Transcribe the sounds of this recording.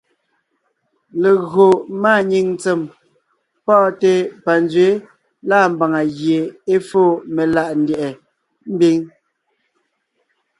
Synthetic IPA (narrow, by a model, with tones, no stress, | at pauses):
le˨ɣo˨maː˦˨ɲi˨ŋ˦t͡se˨m | pɔ˦˨te˨pa˨n˦d͡zɥe˨˦ | laː˦˨m̩˨ba˨ŋa˨ɣje˨e˦fo˦˨me˨la˨ʔn̩˦djɛ˨ʔɛ˨ | m̩˦bi˦ŋ